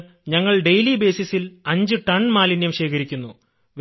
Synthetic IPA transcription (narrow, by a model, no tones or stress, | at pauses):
ɲɐŋːɐɭɖe̞jlibe̞ːsisilɐɲd͡ʑɨʈɐɳmaːlinjɐmɕeːkɐɾikʲːunːu | ʋ